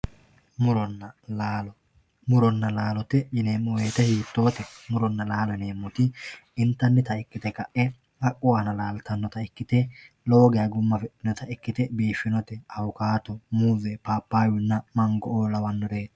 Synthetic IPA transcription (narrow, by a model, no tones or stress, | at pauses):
mʊɾɔnːɐlaːlɔ | mʊɾɔnːɐlaːlɔt̪ɛjɪneːmɔweːt̪ɛhiːt̪ːo̞ːt̪ɛmʊɾɔnːɐlaːlɐne̞ːmːɔt̪ɪɪnt̪ːɐnːɪt̪ɐɪkːɪt̪ɛkɐʔɛ | hɐkʼːʊwaːnɐlaːlt̪ɐnːɔt̪ɐɪkːɪt̪ɛ | loːɡɪjɐɡʊmːɐfɛʔɪnɔt̪ɐɪkːɪt̪ɛbiːfːɪnɔt̪ɛɐwʊkaːt̪ɔmuːzɛpaːpːaːwɪnːɐmɐŋɡɔʔoːlɐwɐnːɔd̪eː